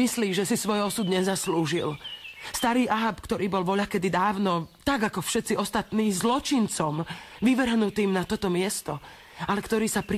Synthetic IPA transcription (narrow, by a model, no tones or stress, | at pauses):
isliːʒɛsisʋɔjɔsud̪ɲɛzasluʒilst̪aɾiːʔaɦapkt̪ɔɾiːbɔlʋɔʎakɛd̪id̪aːʊnɔt̪aɡakɔfʃɛt̪t͡siɔst̪at̪niːzlɔt͡ʃint͡sɔmʋiʋr̩ɦnut̪iːmnat̪ɔt̪ɔmɪɛst̪ɔ | alɛkt̪ɔɾiːsapɾ